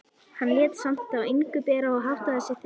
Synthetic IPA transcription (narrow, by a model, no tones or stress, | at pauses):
hanːlɛːt̪sam̥t̪aveŋkʏt̪ɛːɾaɔɦaht̪aðasjɪxt̪